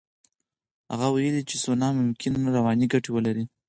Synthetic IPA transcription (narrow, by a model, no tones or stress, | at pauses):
ha̰ɣawajəlit͡ʃesonɑmʊmkʰɪnɾawɑniɡaʈewəlaɾi